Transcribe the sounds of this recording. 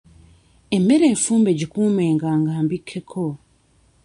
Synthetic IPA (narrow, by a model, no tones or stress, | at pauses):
e̞me̞ɾe̞ːɱfuːmbeɟikuːme̞ːŋɡaːŋɡaːmbikʰːe̞kʰo